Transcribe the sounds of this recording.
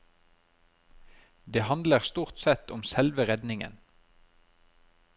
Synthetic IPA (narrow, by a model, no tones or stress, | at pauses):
d̪eːhɑnd̪ləʁst̪uːʁt̪sɛt̪ɔmsɛlʋəʁɛd̪nɪŋə̰n